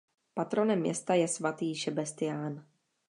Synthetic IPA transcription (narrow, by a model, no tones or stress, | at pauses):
pat̪ɾo̞nɛmːjɛ̰st̪ajɛsvat̪iːʃɛbɛst̪ɪjaːn